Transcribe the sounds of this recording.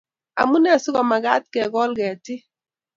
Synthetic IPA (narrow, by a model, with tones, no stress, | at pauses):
a̰˨mu˦nɛ˦˨sʊ˦ɡɔ˨ma˨ɡa˦t̚kɛ˨ɡɔ˦lɡɛ˨tɪ˦